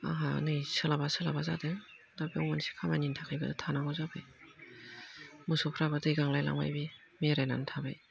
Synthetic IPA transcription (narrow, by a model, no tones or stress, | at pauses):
a̰ɦa̰nɯjsɯlabasɯlabazadɯ | dabiɔwmansi̥kʰamanintʰakʰɯjbadɯtʰanaɡɔzabɯj | mɯsɔpʰɾabadɯiɡaŋlajla̰ŋma̰jbi | meɾajna̰ntʰabɯj